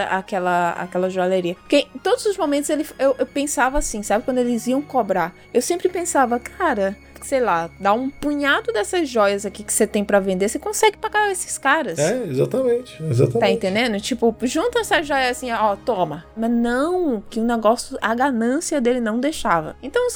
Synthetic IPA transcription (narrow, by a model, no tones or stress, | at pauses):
ɐʔakɛlɐa̰kɛlɐʒoaleɾiɐpʊɾkẽt̪od̪ʊzʊzmomẽnt̪ʊzelɪfewʔewpẽsavɐasĩsabɪkwɐ̃nd̪ʊelɪziɐ̃w̃kobɾaɾ | ewsẽmpɾɪpẽsavɐkʰaɾɐ | sejlad̪aũpũɲad̪ʊd̪ɛsɐzʒɔjɐzakikɪ̥set̪ẽj̃pɾɐvẽnd̪esekõsɛɡɪpaɡaɾesɪ̥skaɾɐsɛezat̪ɐmẽt͡ʃɪ̥eza̰t̪ɐt̪aẽnt̪ẽnd̪ẽnd̪ʊt͡ʃipʊʒũnt̪ɐɛsɐʒɔjɐasĩɔt̪õmɐmɐznɐ̃w̃kɪʊ̃neɡɔsjʊɐɡanɐ̃siɐd̪elɪnɐ̃w̃d̪ejʃavɐ̰ẽt̪ɐ̃w̃